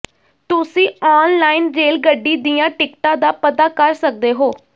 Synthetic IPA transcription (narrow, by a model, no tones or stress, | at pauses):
t̪ʊsĩːɔːnlaːinɾeːlɡəɖːiːd̪ijãːʈɪkʈãːd̪aːpət̪aːkəɾsək̚d̪eːɦoː